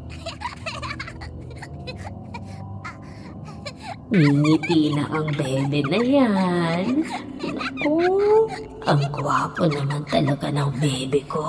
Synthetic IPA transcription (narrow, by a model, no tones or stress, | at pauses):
ŋiŋit̪inɐ̰ʔɐŋbɛːbɛnɐjannɐko | ʔɐŋkwaːponːɐmant̪ɐlɐkanɐŋbɛːbɛko